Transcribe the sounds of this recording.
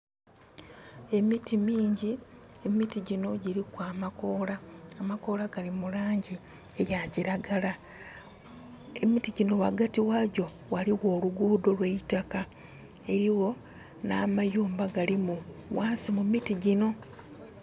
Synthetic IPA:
e̞mitimiːɲɟiemitiɟino̞ɟiɾikwaːmako̞ːlaːmako̞ːlaɡalimulaːɲɟi | e̞jaciɾaɡala | e̞mitiɟino̞waɡatiwaɟo̞ | waliwo̞ːluɡuːdo̞lweitaka | e̞ɾiwo̞ | na̰ːmajuːmbaɡalimuwaːsimumitiɟino̞

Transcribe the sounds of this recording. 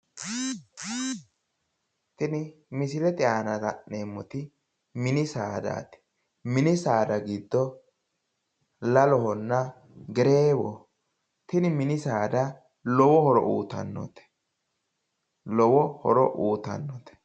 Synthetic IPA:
t̪ɪnɪmɪsɪlɛt̪ʼɛaːnɐdɐneːmːɔt̪ɪ | mɪnɪsaːd̪a̰ːt̪ɪ̥ | mɪnɪsaːd̪ɐɡid̪ːɔ | lɐlɔɦɔnːɐ | ɡɛɾeːwɔ | t̪ɪnɪmɪnɪsaːd̪ɐ | lɔwɔhɔɾɔ̰ʔuːt̪ɐ̰nːɔ̰t̪ɛ̥ | lɔwɔhɔ̰ɾɔ̰ʔuːt̪ɐ̰nːɔt̪ɛ̥

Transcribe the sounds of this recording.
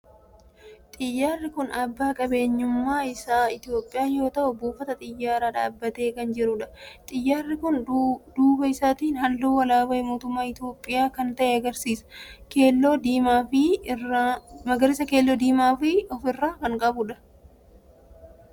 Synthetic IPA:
t̪ʼɪjːaːrːɪkʊnɐbːaːkʼɐbe̞ːɲːʊmːaːɪsaːɪt̪ɪjoːpʼːɪjaːjo̞ːt̪ɐʔʊbuːfːɐt̪ɐt̪ʼɪjːaːɾaːᶑaːbːɐt̪eːkɐnd͡ʒɪɾʊᶑɐt̪ʼɪjːaːrːɪkʊnd̪uːbɐɪsaːt̪iːnhɐlːuːwɐlaːbɐɛmo̞ːt̪ʊmːaːɪt̪o̞ːpʼːɪjaːkɐnt̪ɐʔɛɐɡɐɾsiːsɐ̥keːlːoːd̪iːmaːfɪ | mɐɡɐɾɪsɐke̞ːlːoːd̪iːmaːfɪɔfɪrːaːkɐŋkʼɐbʊᶑɐ

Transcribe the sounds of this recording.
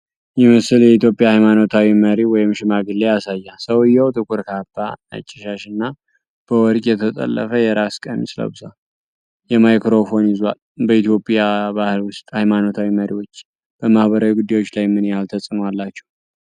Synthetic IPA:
jɪmɨsɨljɛit̪jo̞pʼjahajmano̞t̪ʰawiməɾiwɔjɪmʃɪmaɡɨlːeasajːasəwɨjːɛwt̪ʼɨkʰʼuɾkʰabːanə̰t͡ʃʼːɪʃaʃɨnːa | b̥əwɔɾɡʼjɛt̪ʰət̪ʼə̰lːə̰fəjɛɾaskʼə̰nsɨlə̰bɨsal | jɛmajkɾo̞fo̞njɪzwa̰l | bəit̪ʰjo̞pʼjabahɨlwʊst̪ʼhajmano̞t̪ʰawiməɾiwo̞t͡ʃː | b̥əmahbəɾawiɡud̪ːajwot͡ʃːlajmːɨnjhalt̪ʰəsʼɨmowalːat͡ʃːɛw

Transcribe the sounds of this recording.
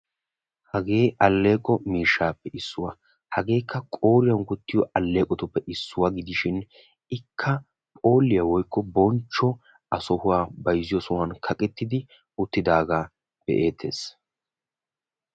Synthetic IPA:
hɐɡe̞ːʔɐlːe̞ːkʼɔmiːʃːaːpːɛʔɪsːʊwɐ | hɐɡe̞ːkʰːɐkʼo̞ːɾɪjɐnkʊt̪ːɪjɔʔɐlːe̞ːkʼɔt̪ʊpːɛʔɪsːʊwɐɡɪd̪ɪʃɪn | ɪkʰːɐ | pʼo̞ːlːɪjɐwɔjkːɔbɔnt͡ʃːɔ | ɐsɔhʊwaːbɐjzɪjɔsɔwɐnkʰɐkʼɛt̪ːɪd̪ɪ | ʊt̪ːɪd̪aːɡaː | b̥ɛ̰ʔe̞ːt̪ʰːe̞ːs

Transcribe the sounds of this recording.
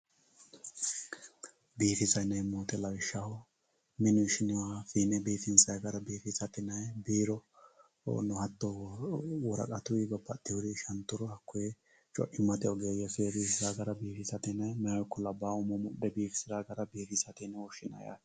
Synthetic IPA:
biːfɪsɐjnɐjmoːt̪ɛlɐwɪʃːɐhɔ | mɪnʊɪʃɪnɪwaːfiːnɛbiːfɪnsɐjɡɐɾɐbiːfɪsɐt̪ɪnɐjbiːɾɔ̰ | nɔhɐt̪ːɔ | wɔɾɐ̰kʼɐt̪ʊwɪbɐpːɐt̪ːɛhʊd̪ɪʃɐnt̪ːʊɾɔhɐkːʊjɛ | t͡ʃʼɔ̰ʔɪmːɐt̪ɛɔɡɛjɐjɛsebiːfsɪzaːɡɐɾɐbiːfɪsɐt̪ɛnɐmɛjɐwɔkːɔlɐbaːʊmɔmʊɗɛbiːfɪ̥sɪɾaːɡɐɾɐbiːfɪsɐt̪ɛnɛɔʃɪnɐ̰ja̰

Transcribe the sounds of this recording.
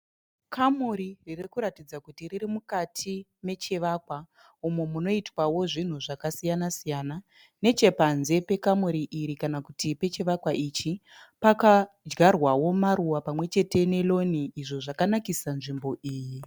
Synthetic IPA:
kʰamuɾiririkuɾatid͡zakutiriɾimukatʰime̞t͡ʃe̞ʋakwa | umemuno̞itwawo̞ʐin̤uʐakasijanasijana | ne̞t͡ʃe̞panze̞pe̞kamuɾiʔiɾikanakutipe̞t͡ʃe̞ʋakwaʔit͡ʃi | paka | d͡ʒɡarwawo̞maɾuwapamwe̞t͡ʃe̞te̞ne̞lo̞niiʐo̞ʐakanakisanʐimbo̞ʔiːji

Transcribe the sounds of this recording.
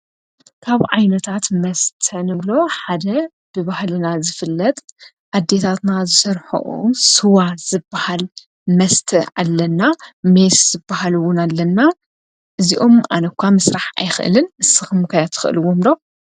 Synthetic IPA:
kʰaβʕajnɐt̪ʰat̪mɐst̪ʰɐnɨβlo̞ħad̪ɐ | b̥ɨbahlɨnazɨfɨlːɐt̪ʼ | ʔad̪ːe̞t̪ʰat̪nazɨsɐɾħo̰ʔṵsɨwaz̥ɨbːahal | mɐst̪ʰɐa̰lːɐnːamesz̥ɨbːahaluwʊnalːɐnːa | ʔɨziʔo̞mʔa̰nɐkʷʰːamɐsɾaħa̰jxɨ̰ʔɨ̰lɨnɨsɨxɨmkʰajat̪ʰɨ̥xɨʔɨ̰lɨwomd̪o

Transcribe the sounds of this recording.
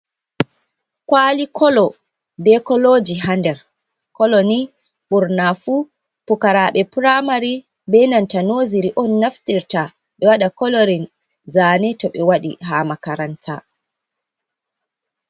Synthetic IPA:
kwaːlikʰɔlɔ | bɛkɔlod͡ʒiɦandɛɾ | kɔlɔni | ɓuɾnafu | pukaɾaɓɛpɾamaɾi | bɛnantanoziɾiʔɔnːaftiɾta | ɓɛwaɗakɔloɾin | zaːnɛtɔɓɛwaɗḭɦaːmakaɾantʰa̰

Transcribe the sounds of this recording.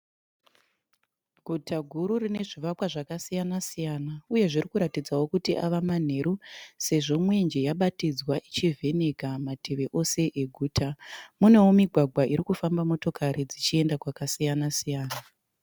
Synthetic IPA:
ɡʱutʰaɡʱuɾurine̞ʐiʋakwaʐakasijanasijanauje̞ʐirikuɾatid͡zawo̞kutiʔaʋaman̤e̞ɾuse̞ʐo̞mwe̞nd͡ʒe̞jaɓatid͡zwaʔit͡ʃivʱe̞ne̞kamatʰe̞ʋe̞ʔose̞ʔeɡʱuːtʰamune̞womiɡʱwaɡʱwaiɾikufambamo̞to̞kaɾid͡zit͡ʃie̞ndakwakasijanasijaːna

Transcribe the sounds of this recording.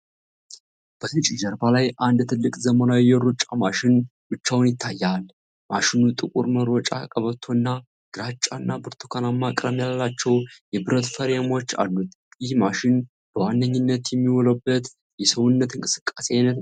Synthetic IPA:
b̥ət̪ɨt͡ʃʼɪd͡ʒəɾbalajʔand̪t̪ʰɨlːɨkʼzəmənawijɛɾut͡ʃʼamaʃɪnwɨt͡ʃːawnjɪt̪ʰːajːal | mʔaʃɪnut̪ʼɨkʼṵɾməɾwɔt͡ʃʼa̰kʼəβət̪ʰːo̞ɨnːa | ɡ̥ɨɾat͡ʃʼːanːabɨɾt̪ʰu̥kʰalamːakʼɾəmjaləlat͡ʃːɛwjɛbɨɾət̪fəɾjamo̞t͡ʃːa̰lːut̪jɪhmaʃɪn | b̥əwandəɲːɪnːət̪jɛmːiwɔləbːət̪ | jɛsəwunːət̪ɨŋkʼɨsɨ̥kʼːasenːət̪

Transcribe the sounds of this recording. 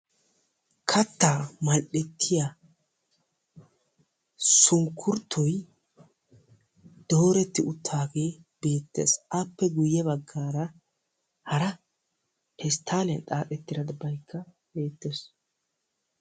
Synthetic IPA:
kʰɐt̪ːaːmɐlʔɛt̪ʰːɪja | sʊŋkʰːʊɾt̪ʰːɔj | d̪̥o̞ːɾɛt̪ːɪʔʊt̪ʰːaːɡe̞ː | b̥e̞ːt̪ːeːsapːɛɡʊjːɛbɐɡːaːɾɐ | hɐɾɐ | ɛst̪ʰːaːlɛnt̪ʼaːʔɛt̪ːɪɾɐd̪ɐbɐjkːɐ | be̞ːt̪ːes

